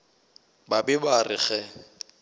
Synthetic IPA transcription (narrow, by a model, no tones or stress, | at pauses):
babɪbarɪχɛ